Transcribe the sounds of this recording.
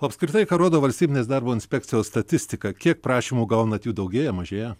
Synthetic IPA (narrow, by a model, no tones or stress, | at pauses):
oːɐpskɾʲɪt̪ɐɪkɐːɾoːd̪oːʋɐlʲsʲt̪ʲiːbʲɪnʲeːsd̪ɑɾboːɪnʲsʲpʲɛk̚ʲt͡ssʲɪjoːsst̪ɐt̪ʲɪsʲt̪ʲɪkɐkʲiɛk̚pɾɑːʃʲiːmuːɡɐʊnɐɐt̪juːd̪ɐʊɡʲeːjɛmɐʒʲeːjɛ